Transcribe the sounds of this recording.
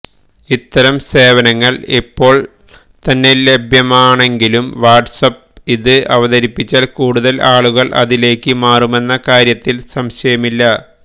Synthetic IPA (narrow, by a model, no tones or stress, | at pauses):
it̪ːɐɾɐmse̞ːʋɐnɐŋːɐɭipːo̞ːɭ | t̪ɐnːe̞lebʱjɐmaːɳe̞ŋɡilumʋaːrʈsɐp | iðɨɐʋɐðɐɾipːit͡ɕːaːlkuːɽuðɐlʔaːɭuɣɐɭʔɐ̰ðile̞ːkːɨmaːrume̞nːɐkaːɾjɐt̪ːilsɐmɕɐjɐmilːɐ